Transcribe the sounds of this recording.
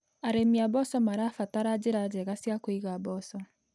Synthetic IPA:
aɾemiabɔsɔmaɾaːfataɾad͡ʒeɾad͡ʒɛɣasjakoiɣabɔsɔ

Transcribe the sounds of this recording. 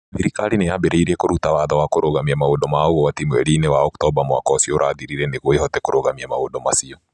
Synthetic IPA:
siɾikalinejabeɾeiɾɛkoɾutawaðɔwakoɾoɣamiamaodɔmaoɣowatimwɛɾinewaɔktɔbamwa̰kɔsioɾʔaðiɾiɾɛneɣoehɔtɛkoɾoɣamiamaodɔmasiɔ

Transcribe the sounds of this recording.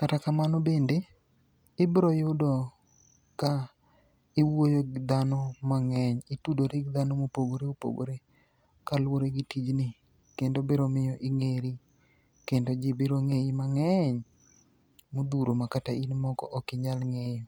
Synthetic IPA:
katakamanɔbende | ɪbɾojʊdɔ | ka | ɪwojod̪anɔmaŋɛɲɪtudoɾɪɡd̪anɔmopoɡoɾeopo̰ɡo̰ɾe | kalwoɾeɡɪtid͡ʒnɪ | kendobeɾomɪjɔʔɪŋeɾi | kendod͡ʒɪbeɾoŋeimaŋɛɲ | mod̪uɾomakatainmɔɡɔ̰ʔɔkɪɲalŋejo

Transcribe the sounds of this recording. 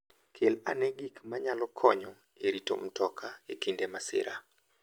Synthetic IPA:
kʰela̰nɛɡikmaɲalɔkʰɔɲɔ | eɾito̰m̩tɔkʰaekindemasɪ̰ɾa

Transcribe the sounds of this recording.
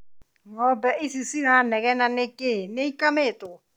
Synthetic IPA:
ŋɔbɛʔisisinanɛɣɛnanekeneikametʊ

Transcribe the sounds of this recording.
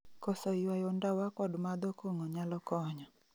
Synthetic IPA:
kɔsɔiwajondawakɔdmad̪ɔkoŋɔɲalɔkɔɲɔ

